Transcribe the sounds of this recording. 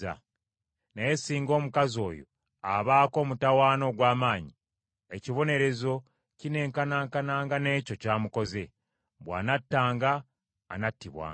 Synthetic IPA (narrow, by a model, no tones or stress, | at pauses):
a̰ | nejesiːŋɡo̞ːmukazo̞ːjo̞̰ | aβaːko̞ːmutawaːno̞ːɡwaːmaːɲi | eciβo̞ne̞ɾe̞zo̞ | cine̞ːŋkanaːŋkanaːŋɡane̞ːco̞caːmuko̞ze̞ | βwa̰ːnatːaːŋɡa̰ː | natːiβwa̰ː